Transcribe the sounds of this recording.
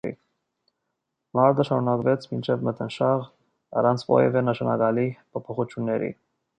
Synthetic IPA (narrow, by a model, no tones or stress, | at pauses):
ḭ | mɑɾd̪əʃɑɾunɑkvɛt͡sʰmint͡ʃʰɛvmət̪ʰənʃɑʁ | ɑ̰rɑnt͡sʰvɔ̰jɛvɛnəʃɑnɑ̰ɡɑlipʰɔpʰɔχut͡ʃʰjunːɛɾḭ